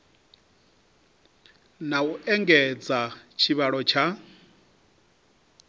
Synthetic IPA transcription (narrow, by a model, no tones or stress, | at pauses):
nauʔɛŋɡɛd͡zat͡ʃʰiβaɺɔt͡ʃʰa